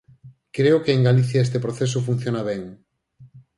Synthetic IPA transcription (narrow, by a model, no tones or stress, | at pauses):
kɾeʊkeeŋɡaliθjaest̪epɾoθes̬ʊfun̟θjonaβ̞eŋ